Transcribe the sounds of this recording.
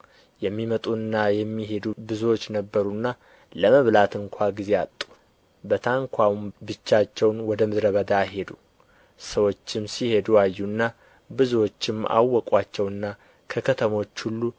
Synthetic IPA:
jɛmːimət̪ʼuɨnːajɛmːiɦe̞d̪ubɨzwo̞t͡ʃːnəbːəɾunːa | ləməβlat̪ʰɨŋkʷʰaɡize̞at̪ʼːu̥ | bət̪ʰaŋkʰʷawmbɨt͡ʃːat͡ʃːɛwnwɔd̪əmɨd̪ɾəβəd̪aɦe̞d̪u | səwo̞t͡ʃːɪmsihe̞d̪uajːuɨnːa | bɨzuwot͡ʃːɪma̰wːɔkʼat͡ʃːɛwɨnːa | kʰəkʰət̪ʰəmo̞t͡ʃːhulːu

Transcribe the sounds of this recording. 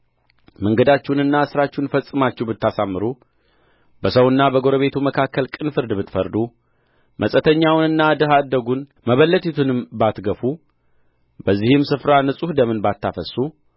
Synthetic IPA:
məŋɡəd̪at͡ʃːɛwnɨnːasɨɾat͡ʃːɛwnfəsʼːɨmat͡ʃːɛwbɨt̪ːasamːɨɾu | bəsəwɨnːabəɡo̞ɾəβe̞t̪ʰuməkʰakːəlkʼɨnfɨɾd̪bɨt̪fəɾd̪u | mʔəsʼət̪ʰəɲːawnɨnːad̪ɨɦad̪ːəɡun | məβəlːət̪ʰit̪ʰunɨmbat̪ɡəfu | bəzːihɪmsɨfɾanɨsʼuhd̪əmɨnbat̪ːafəsu

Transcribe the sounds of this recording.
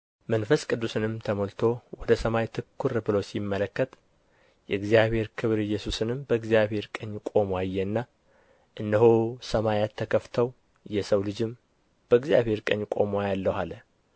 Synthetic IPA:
mənfəskʼɨd̪ːusɨnɨmt̪ʰəmolt̪ʰo̞wɔd̪əsəmajt̪ʰɨkːuɾɨbɨlosimːələkːət̪ | jɛɨɡzijaβhe̞ɾkʰɨβɾɨjːɛsusɨnɨmbəɨɡzijaβhe̞ɾkʼəɲːkʼo̞moajːɛnːa | ʔɨnːəɦosəmajat̪ʰːəkʰəft̪ʰəw | jɛsəwlɨd͡ʒɪm | b̥əɨɡzjaβhe̞ɾkʼə̰ɲːkʼo̞mwajalːəhalə

